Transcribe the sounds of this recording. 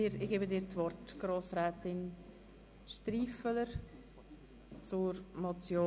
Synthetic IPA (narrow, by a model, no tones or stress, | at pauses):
ɪɾɪɡeːbədɪːɾt͡svɔrtɡ̥ɾoːsɾɛːtɪn | ʃtɾiːfələɾ | t͡suɾmɔt͡sjoː